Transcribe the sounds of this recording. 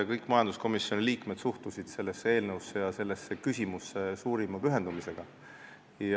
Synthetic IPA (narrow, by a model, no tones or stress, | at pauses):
kɤjkːˑmɑjɑnd̪̥usko̞misjoniliːkme̞d̪̥suht̪usʲid̪̥se̞lːesːee̞ːlnəwsːe̞jɑse̞lːe̞sːe̞kysʲimusːe̞suːɾimɑpyɦe̞nd̪umise̞ɡ̥ɑ | j